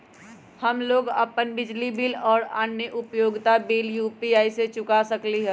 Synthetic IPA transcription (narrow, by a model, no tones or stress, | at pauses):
həmloːɡə̰pənbɪd͡ʒlibɪlɔːɾa̰ːnːjəʔʊpjoːɡt̪abeːljuːpiaːiset͡ʃʊkasəkliɦɛ̃ː